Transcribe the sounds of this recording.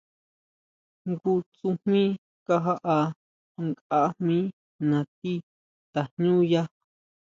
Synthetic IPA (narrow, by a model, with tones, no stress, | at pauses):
ŋɡu˧t͡su˧mmĩ˦ | ka˧ɦa˦ʔa˧ | ŋka˦mmĩ˦ | nã˨t̪i˦ | t̪a˨ɲɲũ˦ja˦